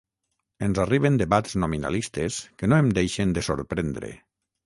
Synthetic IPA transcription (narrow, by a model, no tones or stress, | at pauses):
enzariβ̞end̪eβatz̥nomina̰list̪eskenoemd̪ejʃend̪əso̰ɾpɾend̪ɾḛ